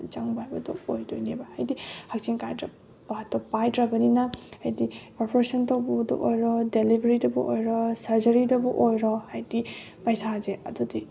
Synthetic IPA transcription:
d͡ʒaŋbajbadɔ̰ojdojnebahajdihak̚siŋkajtɾa | baɦatːɔpajtɾabɐninahajdipɔɾpʰɔɾesɔntɔwbɔdɔ̰ʔojɾɔdelibʱɾitɔbɔ̰ʔojɾɔsaɾzɐɾidɔbɔʔojɾɔhajdi | pajsazeɐ̰dɔdi

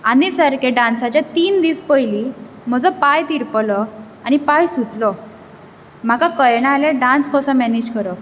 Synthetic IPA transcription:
anisəɾkeɖãnsat͡ɕjat̪iːnd̪iːspəjli | m̤əd͡zɔpajt̪iɾplɔ | añipajsut͡slɔ | m̤akakəjɽ̃aleɖãnskɔsɔ̃mɛnid͡ʑkəɾɔ

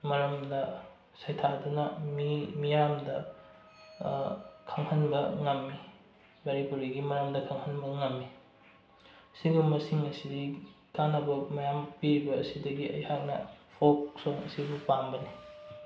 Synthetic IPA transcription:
mɐɾɐmdɐ | sɐjtʰadunɐmimijamdɐ | kʰɐŋhɐnbɐŋɐmːi | bɐɾipuɾiɡimɐɾɐmdɐkʰɐŋhɐnbɐŋɐmːi | siɡumɐsiŋɐsidi | kanɐbɐmɐjampiɾibɐːsidɐɡiʔɐ̰jhak̚nɐpʰok̚soŋɐsibupambɐni

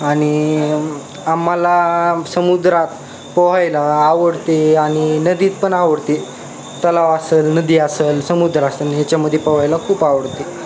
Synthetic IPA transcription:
aɽ̃i | amːalasəmud̪ɾat̪ | pəʋajlaːʋəɽt̪eaɽ̃inəd̪iːt̪pəɳaʋəɽt̪e | t̪əlaʋasəlnəd̪iːasəlsəmud̪ɾasaniɦjat͡ɕjaməd̪ʱːjepəʋajlakʰuːpaʋəɽt̪e

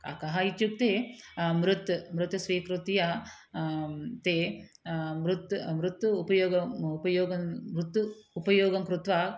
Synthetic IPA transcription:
ka̰kɐɦajit͡ʃ̪juk̚t̪eːmɾut̪mɾut̪ɐsʋiːkɾut̪ija | t̪eː | mɾut̪mɾut̪uupɐjoːɡɐpɐjoːɡɐmɾut̪ːuːpɐjoːɡɐmkɾut̪ʋaː

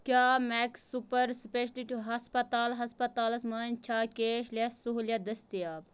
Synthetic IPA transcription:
kʲaːmɛksupɐɾspeʃɐliʈɦɐspɐt̪aːlɦɐspɐt̪aːlɐsmɐːnt͡ʃʰaːkʲeːʃlʲɐsuɦuljɐd̪ɐst̪ijaːb

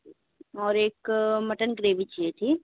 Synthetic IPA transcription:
ɔːɾeːkmɐʈənkɾeːʋit͡ʃiet̪ʰiː

